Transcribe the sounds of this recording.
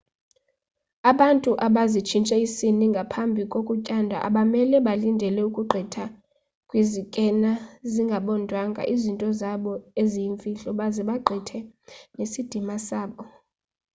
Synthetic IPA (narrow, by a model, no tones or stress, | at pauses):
aɓantʼuʔaɓazit͡ʃʰint͡ʃʼɛisiniŋɡʱapʰambʱikʼokʼucʼandʱa̰ʔa̰ɓamɛlɛɓalindʱɛlɛukʼuɡ͡ǃʱɛtʰa | kʼwizikʼɛnaziŋɡʱaɓɔndʱwaŋɡʱa̰ʔizintʼɔzaɓɔezijiɱfʼiɬʼɔɓazɛɓaɡ͡ǃʱɛtʰɛnesid̥ʱimasaːɓɔ